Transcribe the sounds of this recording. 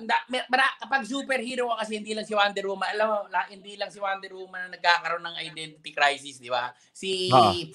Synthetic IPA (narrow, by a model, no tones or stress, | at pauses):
ɐnd̪amɛmɐɾakɐpaɡ̚s̬uːpɛɾhiːɾoakɐsɛhɪnd̪iːlɐŋsɪwand̪ɛɾuːmɐʔɐlamolʔhɪnd̪iːlɐŋsɪwand̪ɛɾuːmɐnɐnɐɡ̚kaːkɐɾo̞nɐŋɐjd̪ɛnt̪ɪt̪ɪkɾajsɪsd̪ɪba | sio